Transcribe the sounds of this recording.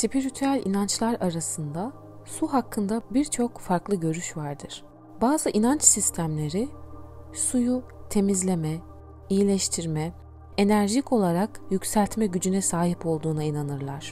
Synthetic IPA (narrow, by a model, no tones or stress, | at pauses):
sipʰiɾit̪ʰyælʲʔinant͡ʃlˠaɾaɾasɯnd̪a | suɦakʰːɯnd̪abiɾt͡ʃʰo̞kfaɾklˠɯɟø̞ɾyʃvaɾd̪ɯɾ̥ | baːzɯʔinant͡ʃsist̪ʰæmlʲe̞ɾi | sujut̪ʰe̞mizlʲe̞mɛ | ijilʲɛʃt̪ʰiɾmɛ | enæɾʒico̞lˠaɾakjycsælʲt̪mɛɟyd͡ʒynɛsaːɦipo̞lˠd̪uːnainanɯɾlˠaɾ̥